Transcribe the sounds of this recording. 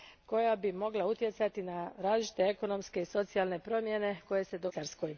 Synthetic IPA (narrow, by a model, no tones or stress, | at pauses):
ko̞jabimo̞ɡlaut̪je̞t̪sat̪inaɾaːzlit͡ʃi̥t̪eeko̞no̞mske̞iso̞t̪sialˠne̞pɾo̞mjene̞ko̞je̞se̞d̪oaɾsko̞j